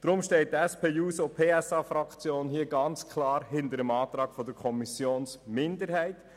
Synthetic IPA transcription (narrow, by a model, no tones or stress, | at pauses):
d̥ɾʊmʃtɛɪt̚tɛspʰeːjuːsopʰeːɛsɑːfɾɑkt͡sjoːnhiəɡɑnt͡skʰlɑːɾɦɪntəɾəmɑːt̪ɾɑːɡ̥fɔdəɾkʰɔmisjoːnsmɪndəɾhɛɪt